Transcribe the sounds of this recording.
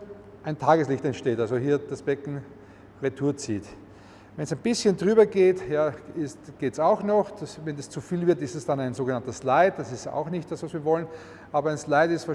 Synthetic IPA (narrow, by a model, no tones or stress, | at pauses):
ʔæɪntʰaːɡəslɪçtɛntʃteːtalzohiːɐd̥asb̥ɛkŋ̩ | ʁetʰuːɐt͡sḭːt | vɛnsæɪnb̥ɪsçəndʁyːbɐɡeːtjaːɪstɡ̥eːtsaʊxnɔxsvɛnɛst͡sufiːlvɪɐtɪstɛsd̥anæɪnzoːɡənantəslaɪt̚d̥asɪsta̰ʊxnɪçt̚d̥asvasviːɐvɔlən | ʔaːbɐæɪnslaɪtɪstfa